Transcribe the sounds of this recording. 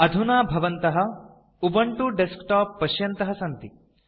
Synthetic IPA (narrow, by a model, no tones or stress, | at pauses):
ɐd̪ʱunaːbʱɐʋɐnt̪ɐɦɐ | ubɐɳʈuɖeskʈaːpːɐʃjɐnt̪ɐɦɐsɐnt̪i